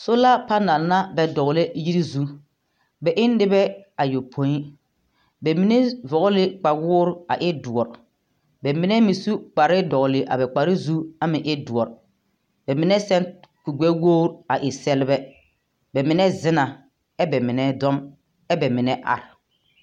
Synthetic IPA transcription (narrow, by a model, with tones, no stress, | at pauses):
sʊ˦la˦pa˦na˨lna˦bɛ˨dɔ˨ɣlɛ˦ji˦ɾi˦zu˦ | bɛ˨ʔɪ˦n˦dɪ˦bɛ˦a˨jo˨pʰo˦i˦ | bɛ˨mi˦ne˦vɔ˨ɣʊ˦lɪ˦k͡pa˨wʊː˦ɾa̰˨ʔɪ˦du˨ɔ˨ɾ | bɛ˨mɪ˦nɛ˦mi˨su˦k͡pa˨ɾɪ˦dɔ˨ɣʊ˨lɪ˨ʔa̰˨bɛ˨k͡pa˨ɾɪ˦zu˦a˨mɪ̃˨ʔɪ˦du˨ɔ˨ɾ | bɛ˨mɪ˨˦nɛ˦sɛ˦nku˨ɡ͡bɛ˦woː˦ɾa˨ʔɪ˨sɛ˦lɪ˦bɛ˦ | bɛ˨mɪ˨nɛ˦zɪ˦na˨ | ɛ˦bɛ˨mɪ˨nɛ˦dɔ˦m | ɛ˦bɛ˨mɪ˨nɛ˦ʔa̰˨ɾɪ˨